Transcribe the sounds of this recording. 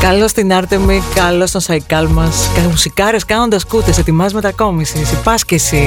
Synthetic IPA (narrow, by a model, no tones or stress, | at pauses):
kɐlo̞st̪inɐɾt̪emikɐlost̪onsɐikɐlmɐskɐmusikɐɾeskɐno̞nd̪ɐskut̪eset̪imɐzme̞t̪ɐko̞misisipɐscesi